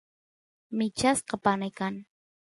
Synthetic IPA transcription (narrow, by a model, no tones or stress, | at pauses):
mɪt͡ʃasqɑpanajkaŋ